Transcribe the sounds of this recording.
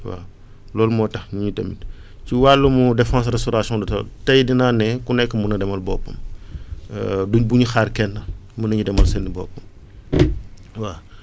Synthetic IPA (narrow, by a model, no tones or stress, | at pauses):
wa̰ | lɔːlmɔːtɐxɲuɲutɐ̰mḭt | ciwalːumudɛfãːsrɛstɔɾasɔ̃dɔtɐ̰ltɐjdinanɛkunɛkːəmunɐdɛmɐlbɔːpːɐm | duɲbuɲixarkɛnːɐmunɐɲidɛmɐlsɛlnibɔ̰ːpːɐm | waː